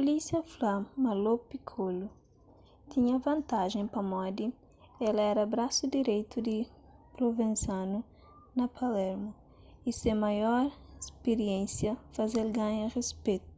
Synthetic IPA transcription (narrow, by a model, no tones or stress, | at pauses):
polisjɐflamɐlopikʰolu | t̪ʰĩɲɐvɐ̃nt̪aʒẽŋpɐmɔd̪i | ɛlɐɛɾɐbɾasud̪iɾejt̪ud̪i | pɾovẽnsãnu | nɐpʰalɛɾmu | isẽmajɔɾespeɾijẽnsjɐfazelɡãɲɐrespet̪u̥